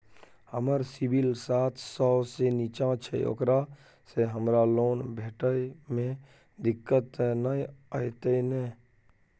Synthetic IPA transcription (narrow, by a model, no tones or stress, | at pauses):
həməɾsibʱilsaːt̪ʰsɔsenit͡ʃãt͡ʃʰɛ̰o̰kɾa | seɦəmɾaloːnbʱeːʈəjmẽ | d̪ɪkːət̪nəjəjt̪əine